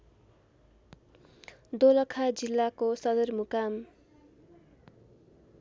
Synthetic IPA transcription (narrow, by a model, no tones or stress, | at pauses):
d̪olʌkʰad͡zilːakosʌd̪ʌrmukam